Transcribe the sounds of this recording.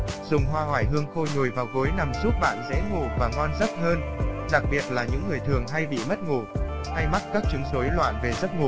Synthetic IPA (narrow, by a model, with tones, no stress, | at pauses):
z̥ʊ˨˩ŋ͡mɦwaː˧hwaː˧˩jɦɨ˧əŋxo˧ɲo˨˩jvaː˨˩wɣo˨˦jna˨˩mzu˦˥p̚ɓa̰ː˧˨nzɛ̰˧˥ŋo˨˩vaː˨˩ŋɔ˧nzə˦˥p̚həː˧nɗa˨˩k̚ɓi˨˩ət̚laː˨˩ɲɨ̰˧˥ŋːɨ˨˩əjt̪ʰɨ˨˩əŋɦa˧jɓḭ˧˨mə˦˥t̚ŋo˧˨˩ | ha˧jma˦˥t̚kaː˦˥k̚t͡ɕɨ˨˦ŋso˨˦jlwa̰ː˧˨nve˨˩zə˦˥p̚ŋo˨˩